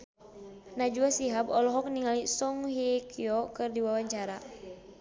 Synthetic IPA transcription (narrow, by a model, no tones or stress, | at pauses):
nad͡ʒuasiɦabɔlɔɦɔk̚niŋalisɔŋɦikiɔkɨrdiwawaɲt͡ʃaɾa